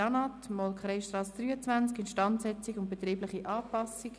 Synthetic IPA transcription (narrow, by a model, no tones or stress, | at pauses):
ɑnɑt̪mɔlkχɾɛʃt̪ɾɑːsd̥ɾyːət͡svænt͡skɪnʃtɑntsɛt͡sikʊnt̚b̥et̪riːblɪχiʔɑːpɑsik